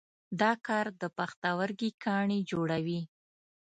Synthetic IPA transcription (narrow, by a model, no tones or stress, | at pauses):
d̪ɑkɑɾd̪əpaxt̪awəɾɡikʰɑɳid͡ʒoɽawi